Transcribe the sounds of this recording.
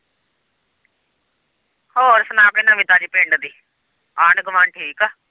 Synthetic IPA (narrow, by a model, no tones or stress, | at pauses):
hoːɾsənãːkɪnãːʋɪt̪aːd͡ʒiːpẽːɳɖd̪iː | aːɳɡəʋãːnʈʰiːkaː